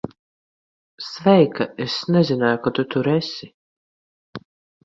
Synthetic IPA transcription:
svʲɛjkɐesnʲɛzʲɪnajkɔt̪ut̪uɾɛsʲɪ

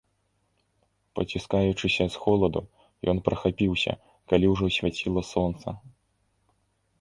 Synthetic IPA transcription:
pɐt͡sʲiskajut͡ʂɨsʲɐsxɔlˠɐd̪u | jɔnpɾɐxapʲiwsʲɐ̰ | kalʲiwʐɔsʲvʲat͡sʲilˠɐsɔnt̪sɐ

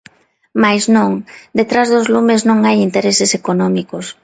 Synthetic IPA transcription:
majznõŋd̪et̪ɾazðozlumeznõŋajint̪eɾesesekonɔ̃mikos

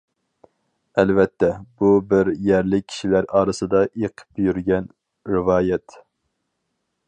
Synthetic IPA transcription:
ɛlvɛt̪ʰːɛb̥ubɪɾjɛɾlɪkʲʰi̥ʃilæɾɑːɾɨsɨd̪ɑʔeqʰə̥pjyɾɡʲɛn | ɾɪvɑːjɛt̪

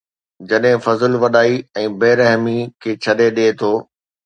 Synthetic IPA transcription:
d͡ʑɐɗɦɪ̃fɐzəlʋɐɗaːiɛ̃ːbeːɾɐɦmikʰeːt͡ɕʰɐɗeɗeːt̪ʰoː

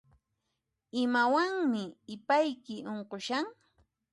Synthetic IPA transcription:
ɪmawaŋmɪːpajkɪʔoɴqoʃaŋ

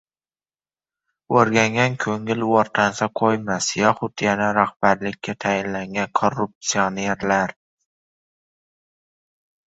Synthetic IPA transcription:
oɾɡʲaŋɡʲankʲʰɵŋɪlwɒɾq̪ʰansaqʰojmasjɒχʊt̪janaɾahb̥aɾlɪkʲːat̪ʰajɪnlaŋɡʲankʰorːup̚t̪sioneɾlaɾ

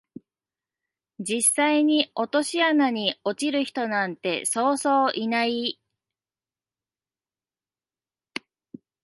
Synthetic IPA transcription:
d͡ʑisːaiɲ̟io̞t̪o̞ɕianaɲ̟io̞t͡ɕiɾɯ̟çi̥t̪o̞nãnt̪e̞so̞ːso̞ːʔinai

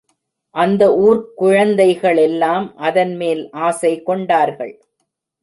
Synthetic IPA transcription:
ʔɐnd̪ɐuːɾkʊɻɐnd̪ɐɪɣɐɭɛlːaːmʔɐðɐnmeːlʔaːsɐɪkːɔɳɖaːɾɣɐ̰ɭ

